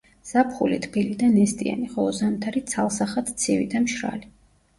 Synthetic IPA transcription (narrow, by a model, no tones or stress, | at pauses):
z̥apʰχṵlit̪ʰbilid̪anɛst̪ʼia̰niχɔlˠɔzamt̪ʰaɾit̪sʰalˠsaχat̪ʰt̪sʰivḭd̪amʃɾa̰li